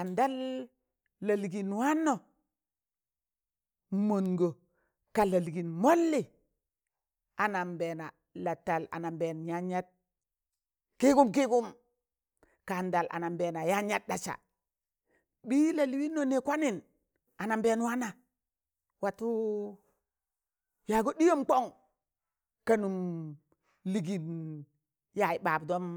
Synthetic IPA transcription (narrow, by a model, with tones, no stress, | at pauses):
a˨nda˦lː | ə˨lɡi˨nwa˦nːo˨ | mo˨nɡo˨ | ka˨lə˨lɡi˨nmo˦lːi˨ | a˨na˨mbe˨na˨ | la˨tːa˨la̰˨na˨mbe˨nja˦ɲa˦t̚ | ki˦ɡu˦mki˦ɡu˦m | ka˨nda˨lʔa̰˨na˨mbe˨na˨ja˦ɲa˦t̚ɗa˨t͡ʃa̰˨ | bi˦la˨li˨˦wi˦nːo˨ne˨kʷa˦ni˨n | a˨na˨mbeː˨˦nwa˦na˨ | wa˨tu˦ | ja˨ɡo˦ɗi˦jo˦mk͡po˦ŋ | ka˨nu˨m | li˨ɡi˨n | ja˨ji˨ɓa˨bdo˦m